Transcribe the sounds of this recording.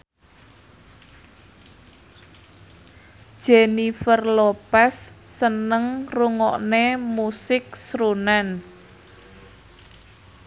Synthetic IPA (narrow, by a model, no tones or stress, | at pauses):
ʒ̥enifərlopasːənəŋruŋɔʔnemusɪk̚sɾunan